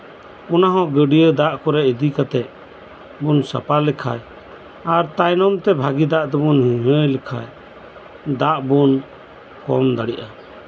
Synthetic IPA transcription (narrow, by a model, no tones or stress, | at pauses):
ɔnaɦɔ̃ɡəɖijəd̪aʔkɔɾɛid̪ikat̪ɛʔ̚ | bunsa̰palɛkʰa̰j | aɾt̪ajnɔmt̪ɛbʱaɡid̪aʔt̪ɛbɔnhiɲəjlɛkʰa̰j | d̪aʔbun | kɔ̰md̪aɽiʔa